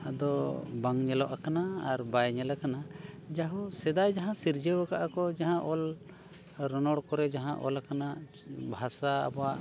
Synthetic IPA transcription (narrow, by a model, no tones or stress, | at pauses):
ad̪ɔbaŋɲɛlɔʔakanaːɾbajɲɛlakanad͡ʒaɦũsɛd̪ajd͡ʒaɦãsiɾd͡ʒewakaʔakɔd͡ʒaɦãʔɔl | ɾɔnɔɽkɔɾɛd͡ʒaɦãʔɔ̰lakana | bʱasa̰ːbaʔ